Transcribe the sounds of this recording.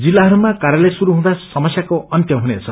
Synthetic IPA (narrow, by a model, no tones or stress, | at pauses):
d͡zilːaɦʌɾumakaɾjʌlejsuɾuɦũd̪asʌmʌsjakoʔʌnt̪jʌɦunet͡sʰʌ